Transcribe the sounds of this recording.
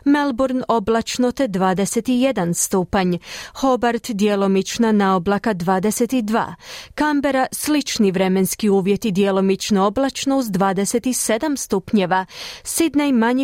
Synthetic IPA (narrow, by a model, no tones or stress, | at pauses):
melˠboɾno̞blˠat͡ʃno̞t̪e̞d̪ʋaːd̪eset̪ije̞d̪anst̪uːpaɲho̞baɾt̪d̪jelo̞mit͡ʃnanaoblˠakad̪ʋaːd̪eset̪id̪ʋa̰ːkambeɾaslit͡ʃniʋɾe̞menskiuːʋje̞t̪id̪jelˠo̞mit͡ʃnoo̞blˠat͡ʃnouzd̪ʋaːd̪eset̪ise̞d̪amst̪upɲeʋasid̪najmaɲi